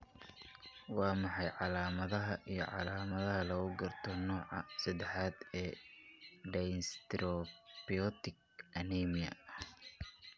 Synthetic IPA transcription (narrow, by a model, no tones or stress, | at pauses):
wɑːmɑħɑjʕɑlaːmɐðɐɦɐʔijɞ̰ʕɑ̰laːmɐðɐɦɐlɐɣʊɡɐrt̪ʰɔnɔːʕɑsɐd̪ɛħaːd̪ɛː | ɖɛjnst̪ɾɔbiɔt̪ɪɡ | ʔɐniːmɪjɐ̰